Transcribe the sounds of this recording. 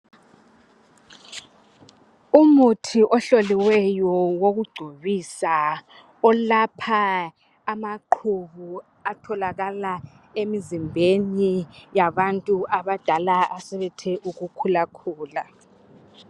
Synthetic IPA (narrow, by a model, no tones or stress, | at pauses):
umutʰiʔɔɬoliwɛjɔwoɣuɡ͡ǀʱoβisa | ɔlapʰaː | maǃʰuβu | atʰɔlaɣala | emizimbʱenijaβantʼuʔaβad̥ʱalaʔasɛβɛtʰɛʔuɣukʰulakʰuːla